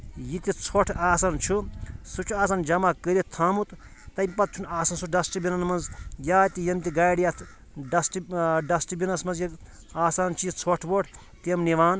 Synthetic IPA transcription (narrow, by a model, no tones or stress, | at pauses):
jit̪it͡sʰoʈʰaːsɐnt͡ʃʰusut͡ʃʰuaːsɐnd͡ʒɐmakəɾʲet̪ʰaːmut̪ | t̪ɐmʲpɐt̪̚t͡ʃʰunaːsɐnsuɖɐsʈibinɐnmɐnzjaːt̪ijɐmt̪iɡaːjɽijaːt̪ʰ | ɖɐsʈɖɐsʈibinɐsmɐnzji | aːsaːnt͡ʃʰijit͡sʰoʈʰboʈʰ | t̪emniʋaːn